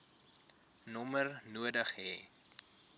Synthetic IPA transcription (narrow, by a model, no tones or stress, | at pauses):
nɔmərnuədəχɦɛː